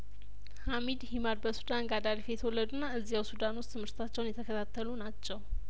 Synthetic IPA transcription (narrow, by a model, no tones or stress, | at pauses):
hamid̪himad̪bəsud̪anɡad̪aɾifejɛt̪ʰəwɔlːəd̪unːaɨzːijawsud̪anwʊst̪ʰɨmhɨɾt̪ʰat͡ʃːɛwnjɛt̪ʰəkʰət̪ʰat̪ʰːəlunat͡ʃːɛw